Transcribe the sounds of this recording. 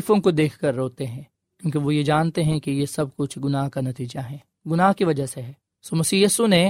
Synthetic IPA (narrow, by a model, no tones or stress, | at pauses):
fõkod̪eːkʰkɐɾːoːt̪eɦɛ̃ː | kjõːk̬iʋojed͡ʒaːnt̪eɦɛ̃kijesɐb̚kʊt͡ʃʰɡʊnaːɦkanɐt̪iːd͡ʒaɦɛː | ɡʊnaːɦkiʋɐd͡ʒəɦseɦɛː | soːmɐsiːjiːsune